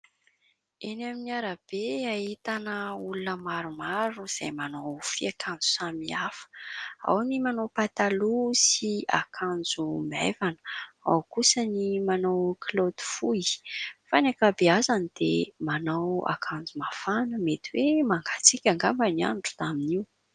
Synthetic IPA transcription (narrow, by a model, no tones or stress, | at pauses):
enaminiaɾab̥eahit̪anəulunəmaɾumaɾuz̥a̰jmanawfiakʰãnd͡zu̥samiafə̥a̰wnimanowpat̪alusia̰kʰand͡zuma̰vanə̥a̰wkusənimanawkʰlod̪u̥fujfanakabeazanid̪̥emanawa̰kʰand͡zumafanəmet̪iwemaŋɡat͡sikʲaŋɡambania̰nʈ͡ʂu̥d̪aminiw